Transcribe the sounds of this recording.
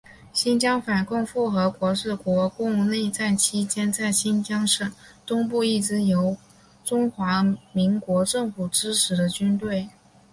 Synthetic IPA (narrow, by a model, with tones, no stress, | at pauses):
ɕi˥nt͡ɕjɑ˥ŋfa˨˩nkʊ˥˧ŋfu˥˩xɤ˧˥kwɔ˧˥ʂɻ̩˥˩kwɔ˧˥kʊ˥˧ŋ˧ne˥˧ɪt͡sa˥˩nt͡ɕʰi˥t͡ɕjɛ˥nt͡sa˥˩ɪɕi˥nt͡ɕjɑ˥ŋʂə˥˩t̪ʊ˥ŋp̬u˥˧i˥˩t͡sɻ̩˥jo˧˥ʊ | ʈ͡ʂʊ˥ŋxwa˧˥mi˧˥ŋkwɔ˧˥ʈ͡ʂɤ˥˩ŋfu˨˩ʈ͡ʂɻ̩˥ʈ͡ʂʰɻ̩˧˥d̪ə˧t͡ɕy˥nt̪we˥˩ɪ